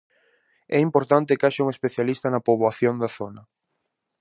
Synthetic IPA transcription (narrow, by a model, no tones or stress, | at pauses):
ɛimpoɾt̪ant̪ɪkaʃauŋespeθjalist̪ɐnɐpoβoaθjond̪aθonɐ